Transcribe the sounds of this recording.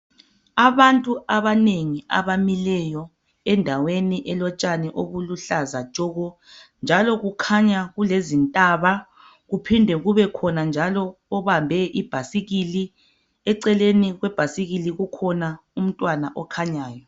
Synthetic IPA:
aβantʼuaβaneŋia̰βamilɛjɔ | ɛndʱaweniʔɛlɔt͡ʃʼanɛʔoβuluɬazḁt͡ʃʼɔɣɔ | nd͡ʒʱalɔɣukʰaɲaɣulezintʼaβa | ɣupʰindʱɛɣuβɛkʰɔnand͡ʒʱalɔːβambʱɛʔib̥ʱasiɣili | ɛǀɛleniɣwɛb̥ʱasiɣiliɣukʰɔna | um̩tʼwanaʔɔkʰaɲaːjɔ

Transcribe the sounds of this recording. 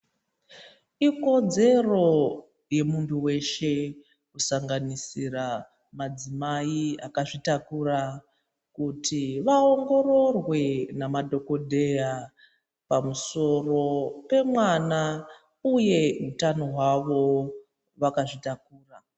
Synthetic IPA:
iko̞d͡ze̞ro̞ | je̞muntʰuwe̞ʃe̞ | kusaŋɡanisira | mad͡zimaiakaʐitakura | kutʰiʋaoŋɡo̞ɾo̞rwe̞namadʱo̞ko̞dʱe̞ja | pamuso̞ro̞pe̞mwana | uje̞ɦutanoɦwaʋo̞ | ʋakaʐitakuːra

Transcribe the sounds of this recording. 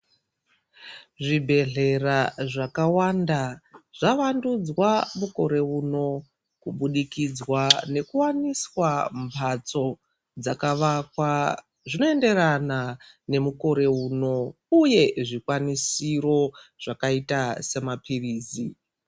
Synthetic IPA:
ʐibʱe̞ɮe̞raʐakawandaʐ̥aʋandud͡zwamuko̞ɾe̞uno̞ | kuɓuɗikid͡zwane̞kuwaniswampʰat͡so̞ | d͡zakaʋakwa | ʐino̞e̞nde̞ɾana | ne̞muko̞ɾe̞uːno̞ | uje̞ʐikwanisiro̞ʐ̥akaitase̞mapʰiriːzi

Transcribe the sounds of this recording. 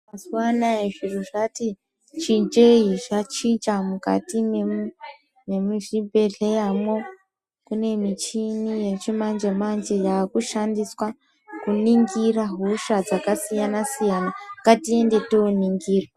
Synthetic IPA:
masuwanaeʐiruʐati | t͡ʃind͡ʒeiʐat͡ʃit͡ʃamuka̰time | memiʐibʱe̞ɮejamwo̞ | kune̞mit͡ʃinijet͡ʃimand͡ʒemand͡ʒejaːkuʃandiswa | kuniŋɡiraɦoʃad͡zakasijanasijanaŋɡatiende̞teoniŋɡiːrwaa

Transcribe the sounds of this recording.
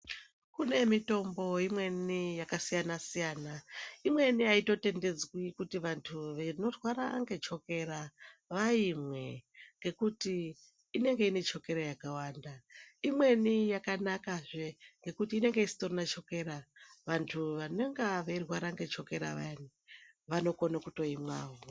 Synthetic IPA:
kune̞mito̞mbo̞imwe̞nijakasijanasijaːnaimwe̞niaito̞te̞nde̞d͡zwikutiʋantʰuʋeno̞rwaɾaːŋɡe̞t͡ʃo̞ke̞ɾaʋaimwe̞ŋɡe̞kutiː | ne̞ŋɡe̞ine̞t͡ʃo̞ke̞ɾajakawaːndaimwe̞nijakanakaʐeŋɡe̞kutiːne̞ŋɡe̞isi̥torinat͡ʃo̞ke̞ɾaʋantʰuʋaneŋɡaʋeirwaɾaŋɡe̞t͡ʃo̞ke̞ɾa̰ʋa̰ni | ʋano̞ko̞nakuto̞imwa̰ːɦo

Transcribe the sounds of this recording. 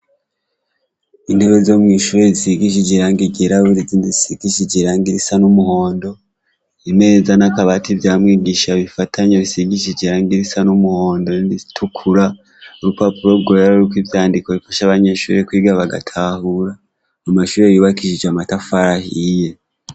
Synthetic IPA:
in̥heβezo̞mŋiːʃuːɾe̞zisiɡiʃ̬id͡ʒiɾaːŋɡiɟeɾaβuɾiziːndisiɡiʃid͡ʒeɾaːŋɡiɾisanumuho̞ːndo̞ | ime̞zanakaβativjaːmŋiːɡiʃaβifatʰaɲeβisiɡiʃid͡ʒiɾaːŋɡiɾisanumuho̞ːndo̞niɾitʰukʰuɾa | uɾupapuɾo̞βɡoɾeɾikwivjaːndiko̞βifaʃaβaɲe̞ʃuːɾe̞kwiːɡaβaɡa̰tʰahuɾa | amaʃuːɾejuːβakiʒid͡ʒamatafaɾahije̞

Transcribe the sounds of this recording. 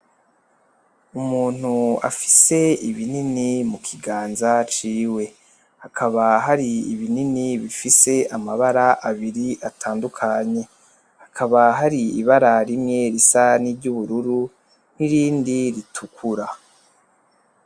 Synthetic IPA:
umuːn̥ua̰fi̥se̞iβininimukʰiɡaːnzat͡ʃiːwe̞ | hakʰaβaɦaɾiiβininiβifise̞amaβaɾaʔaβiɾiʔatʰaːndukʰaɲe̞ | hakʰaβaɦaɾiiβaɾaɾimŋe̞ɾisanibɟuβuɾuɾu | n̥iɾiːndiɾitʰukʰuɾa

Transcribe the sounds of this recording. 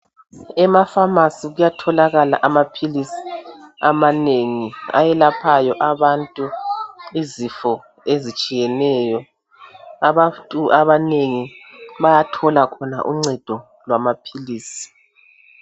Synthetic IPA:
ɛmafamasiɣujatʰɔlaɣala̰ʔamapʰilisi̥amaneŋia̰jɛlapʰajɔʔaβantʼuizifɔ | ezit͡ʃʼijɛnɛːjɔ | aβatʼuaβaneŋiβajatʰɔlakʰɔna̰ʔuŋ͡ǀɛd̥ʱɔ | lwamapʰiliːsi̥

